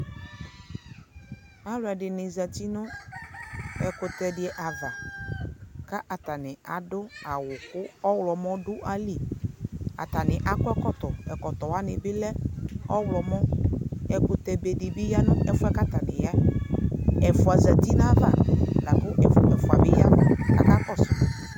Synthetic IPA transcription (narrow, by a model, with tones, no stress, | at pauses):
a˦lʊ˨˦a˨ɖɪ˨nɪ˨za˨t̪i˦nʊ̃˦ | ɛ˨kʊ˨t̪ɛ˦dɪ˨ɛ˨ʔa˨va˨ | ka˦ʔa˨t̪a˨nɪ̃˨a˨dʊ˦a˨wʊ˨kʊ˦ɔ˦wlɔ˨mɔ̃˦ɖʊ˦ʔa˦li˦˨ | a̰˨t̪a˨nɪ˨ʔa˨kɔ˦ɛ˦kɔ˦t̪ɔ˨ɛ˨kɔ˨t̪ɔ˨wa˦nɪ˨bɪ˦lɛ˦ɔ˦wlɔ˨mɔ̃˦ɛ˦kʊ˦t̪ɛ˦be˨dɪ˨bɪ˦ja˦nʊ̃˦ɛ˦fʊ˦ɛ˦ka˦t̪a˨nɪ̰̃˨ja˦ | ɛ˨fʊ˨a˨za˨t̪i˦nã˦va̰˨la˨kʊ˦ʔɛ˨fʊ˨mɛ˨fʊ˨a̰˨bɪ˦ja̰˦a̰˨ka˦kɔ˦sʊ˨